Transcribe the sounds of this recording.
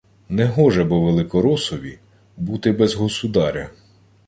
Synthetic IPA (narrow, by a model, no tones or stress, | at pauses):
nɛɦɔʒɛbɔʋelˠɪkɔɾɔsɔʋʲi | but̪ɪbɛzɦɔsʊd̪ɑɾʲɐ